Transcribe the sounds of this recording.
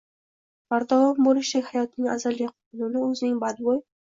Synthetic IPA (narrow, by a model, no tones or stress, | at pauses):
baɾd̪ɒvɑmbolɪʃlakʲhajɒt̪̚nɪŋʲa̰zalɡʲaqʰʊt̪nɪnɪɵzɪnɪŋbad̪woj